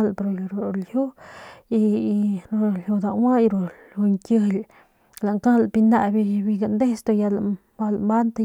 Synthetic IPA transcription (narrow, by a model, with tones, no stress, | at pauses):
lpɾo˧˨ɾo˨lju˦i˧˨ɾo˧˨lju˧d̪a˧˨wa˦jɾo˨ | u˧ŋkʲə˧l | la˨ŋka˦lpi˧na˧bi˧bi˧ɡa˨nd̪e˦st̪o˧ja˧la˨ | ba˧lmba˦nt̪a˧